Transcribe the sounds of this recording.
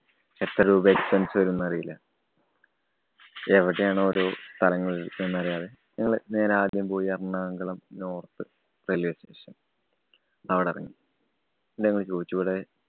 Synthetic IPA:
et̪ːrɐɾuːbekspensɨʋɐɾunːɐɐrijilːɐ | eʋiʈːejaːɳɨoɾost̪ʰɐlɐŋːɐɭenːɐrijaːðeɲɐŋːɐɭne̞ːɾeaːd̪jɐmpo̞ːjiɐrɐnːaːŋɡɐɭɐmno̞ːrt̪ɨ | preljeːsteːʂɐn | ɐʋiɽeɐ̰rɐ̰ŋːi | nenɐŋːɐɭt͡ɕo̞ːd̪it͡ɕːukoɽe

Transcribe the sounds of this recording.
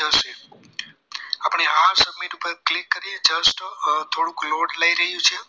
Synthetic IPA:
əʃe | apɳ̃eɦaɾsəməjnũupəɾklɪkːəɾied͡ʒəsʈt̪ʰoɽũkloɖləiɾəɦjũt͡ʃʰe

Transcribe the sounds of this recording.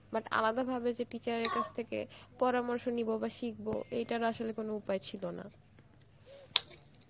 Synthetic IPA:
baʈa̰lad̪abʱabed͡ʑeʈit͡ɕaɾeɾkat͡ɕʰt̪ʰekḛpɔɾamɔɾʃonibobaʃik̚bo̰ʔejʈaɾaʃolekonoupaet͡ɕʰilona̰

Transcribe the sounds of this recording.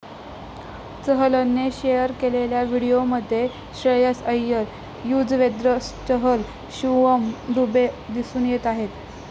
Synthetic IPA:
t͡səɦələnːeɕejəɾkeleljaʋiɽijoməd̪ʱːje | ɕɾəjəsəjːəl | jud͡zʋed̪ɾəst͡ɕəɦəl | ɕuʋəmd̪ubed̪isuːnjet̪aɦet̪

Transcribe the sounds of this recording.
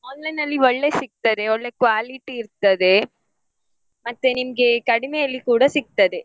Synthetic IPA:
ɔnlɐnɐlːiʋɔɭːɐsɪk̚t̪ːɐðɯɔɭːɐkʊʋaːlɪʈːiɪɾɯt̪ːɐðɯ | mɐt̪ːɯnɪmɡekɐɽɪmɐjɐlːikuːɽɐsɪk̚t̪ːɐðɯ

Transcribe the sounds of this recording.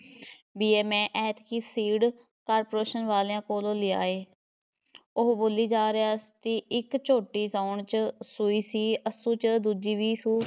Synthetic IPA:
biːeːmɛ̃ːʔɛːt̪kiːsiːɽ | kaːɾpoɾeːʃənʋaːleãːkoːlõːlɪa̰ːeː | ʊɦboːliːd͡ʒaːɾeaːst̪iːʔɪkt͡ʃʰoːʈiːzaːɳt͡ʃsʊiːsiːəsũːt͡ʃd̪uːd͡ʒiːʋiːsuː

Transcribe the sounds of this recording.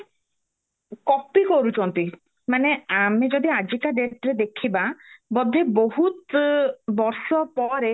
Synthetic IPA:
kɔpikɔɾut͡ʃʰɔnt̪i | maneamed͡ʒɔd̪iad͡ʒikaɖeʈɾed̪ekʰibabɔd̪ʱeboɦut̪ | bɔɾsɔpɔɾe

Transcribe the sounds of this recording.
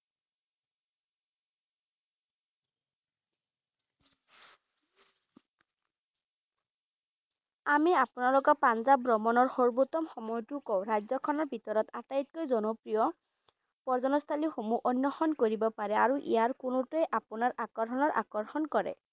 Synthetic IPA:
amiapunalɔkɔpanzabɹɔmɔnɔɹxoɹbutɔmxɔmɔjɔtukɔwɹajzɔkʰɔnɔɹbʱitɔɹɔtatait̚kojzɔnɔpɹijɔ | pɔɹzɔnɔst̪ʰalixomuʔɔnːɔxɔnkoɹibɔpaɹɛaɹuʔḭjaɹkunʊtuɛʔapunaɹʔakɔɹɦʰɔnɔɹʔa̰kɔɹxɔnkɔɹɛ̰

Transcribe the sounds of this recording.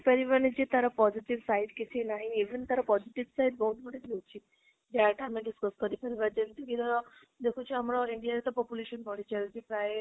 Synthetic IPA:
pəɾiʋaɾnid͡ʒet̪aɾɔpɔziʈiʋsaiɖkit̪ʰinaɦĩeʋənt̪aɾapɔziʈiʋsajɖbɔɦut̪bəɽet̪ewt͡ʃʰi | d͡ʒeʈʰaamẽɖiskəskəɾipəɾiʋaɾd͡ʒeʋit̪ũkit̪aɾɔ | d̪ekʰũt͡ʃʰiamɾɔiɳɖijaɾet̪ɔpɔpjuleʃənpɔɽit͡ʃed͡ʒepɾae

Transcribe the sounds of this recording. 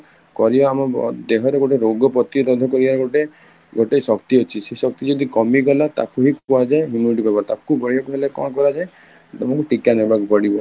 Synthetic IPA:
kɔɾibaːmɔb̰d̪eɦɔɾeɡoʈeɾoɡɔpɔt̪iɾɔd̪ʱɔkɔɾibaɾeɡoʈe | ɡoʈejsɔkt̪iot͡ʃʰisesɔk̚t̪id͡ʒɔd̪ikɔmiɡɔlat̪a̰kuɦikuad͡ʒaeɦumuniʈipabaɾt̪akubɔɽiɔkuɦelekɔ̰̃kɔɾad͡ʒae | amɔkuʈikanebakupɔɽibɔ

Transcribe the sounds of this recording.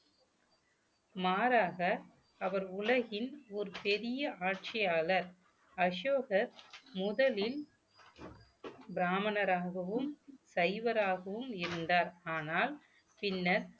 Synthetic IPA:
maːɾaːɣɐ | ɐʋɐɾʊlɐɣɪnɔɾɯpɛɾɪjɐaːʈ̚t͡ʃɪjaːlɐɾ | ɐʂoːɣɐɾmʊðɐlɪl | bɪɾaːmɐnɐɾaːɣɐʋɯmsɐɪʋɐɾaːɣɐʋɯmɪɾɯnd̪aːɾaːnaːl | pɪnːɐɾ

